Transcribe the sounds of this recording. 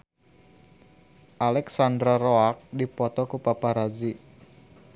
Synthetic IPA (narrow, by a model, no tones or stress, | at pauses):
ʔalɛksandɾaroak̚dipɔt̪ɔkupapaɾad͡ʒi